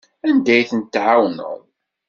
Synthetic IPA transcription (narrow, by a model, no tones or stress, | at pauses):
ænd̪æjθənt̪ːʕawnə̰ð